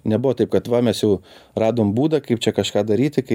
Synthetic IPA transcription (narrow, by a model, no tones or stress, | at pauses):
nʲɛbʊʋɔːt̪ɐɪp̚kɐt̪ʋɐmʲɛsjɛʊrɑːd̪oːmbuːd̪ɐkɐɪp̚t͡ʃʲɛkɐʃkɑːd̪ɐɾʲiːt̪ʲɪkɐɪ